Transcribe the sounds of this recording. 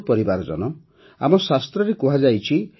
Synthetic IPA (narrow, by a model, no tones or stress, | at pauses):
pɔɾibaɾɔd͡ʒɔ̰nɔ | a̰mɔsast̪ɾɔɾekuɦad͡ʒajt͡ʃʰi